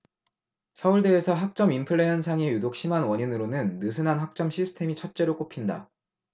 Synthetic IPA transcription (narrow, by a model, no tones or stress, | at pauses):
sʰʌuɭde̞ːsʰʌɦak̚t͡ɕ͈ʌmimpʰɯɭːe̞jʌnsʰaŋe̞judok̚ɕ͈imɦanwʌɲinɯɾonɯnːɯsʰɯnɦanɦak̚t͡ɕ͈ʌmɕʰisʰɯ̥tʰe̞mit͡ɕʰʌt̚t͡ɕ͈e̞ɾok͈opʰinda̰